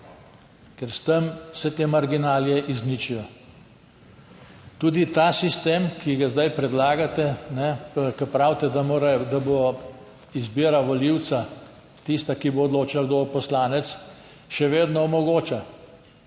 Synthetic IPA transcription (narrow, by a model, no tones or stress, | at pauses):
kɛɾst̪əmsɛt̪eːmaɾɡinaːljɛʔiznit͡ʃijɔ | t̪uːd̪it̪asist̪eːmkiɡazd̪ajpɾɛd̪laːɡat̪ɛnɛkɐpɾawt̪ɛd̪amoːɾad̪abo | izbiːɾaʋɔliwt̪sa | t̪ist̪akiboːd̪loːt͡ʃalɡd̪opɔslaːnɛt̪s | ʃɛʋeːd̪nɔɔmɔɡoːt͡ʃa